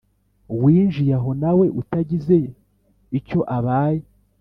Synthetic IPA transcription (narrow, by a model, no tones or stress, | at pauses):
wiːnʒijaɦo̞nawe̞ʔutaɟize̞ | ico̞ʔaβaːje